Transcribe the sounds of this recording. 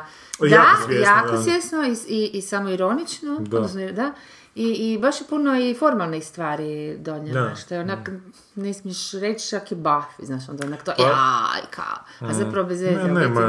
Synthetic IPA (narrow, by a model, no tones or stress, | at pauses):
ajaːkosjesnoiiʔisamoiɾonit͡ʃnoodd̪nosnod̪a | iːbaʃjepunoifoɾmalˠnixst̪ʋaːɾid̪oɲanaʃt̪oeonak | nesmijeʃɾet͡ʃt͡ʃakibafiznaːʃond̪aonakt̪oʔaḭkʰa̰oazapɾaʋobezen